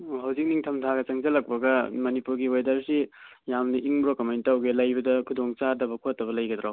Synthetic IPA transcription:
oɦawzik̚niŋtʰɐmtʰaɡɐt͡ʃɐŋzɐlɐk̚pɐɡɐmɐnipuɾɡiwojdɐɾsi | jamnɐʔiŋbɾokɐmejntɐwɡelɐjbɐdɐkʰudoŋt͡ʃadɐbɐkʰotːɐβɐlɐjɡɐd̪ɾaw

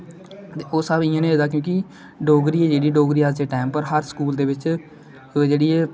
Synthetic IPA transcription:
t̪eːoːsəbɪjãːnẽːeːd̪aːk̬jõːkɪ | ɖoːɡɾiːɛːd͡ʒeːɽiːɖoːɡɾiːaːd͡ʒd͡ʒ̪eːʈaːmpəɾɦəɾsə̥kuːld̪eːʋɪt͡ʃ | d͡ʒeːɽiːɛː

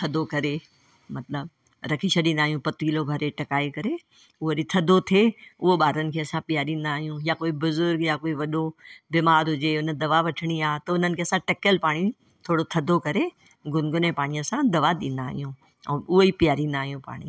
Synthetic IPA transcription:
t̪ʰɐd̪okɐɾe | mɐt̪ləb | ɾɐkʰiʃɐɗĩnd̪aːɦjũpɐt̪iːlobʱɐɾeʈɐkaːekɐɾe | ʊɦoɾit̪ʰɐd̪ʱot̪ʰeʊɦoɓaːɾənɪ̆kʰeɐsãpɪjaːɾĩːnd̪aːɦijũjakoːibʊzʊɾɡjakoːiʋɐɗobiːmaːɾɦʊd͡ʑeʊnəd̪ɐʋaʋɐʈʰɪɽ̃iaːt̪ɐʊn̤ənɪkʰeːɐsãʈɐkəlpaːɽ̃i | t̪ʰoːɽot̪ʰɐd̪ʱokɐɾe | ɡʊnɡʊnẽpaːɽ̃ijəsãd̪ɐʋaɗ̪ĩːnd̪aːɦijũː | ɛːʊɦoipɪjaːɾĩːnd̪aːɦijũpa̰ːɽ̃ḭ

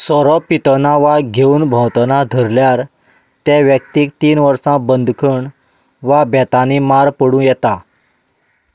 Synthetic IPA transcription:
sɔɾɔpit̪ənaʋaɡʱeuːnbʱə̃wt̪ənad̪ʱəɾljaɾ | t̪ɛ̃ʋjək̚t̪iːk̚t̪iːnʋəɾsãbənd̪ʱkʰəɳ | ʋabʱɛt̪animaɾpəɽũjɛt̪a

